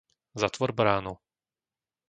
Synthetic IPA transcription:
zat̪ʋɔɾbɾaːnu

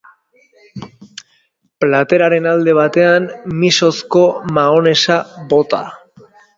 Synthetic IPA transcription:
plat̪e̞ɾaɾe̞nald̪e̞β̞at̪e̞anmiso̞sko̞maone̞saβo̞t̪a̰

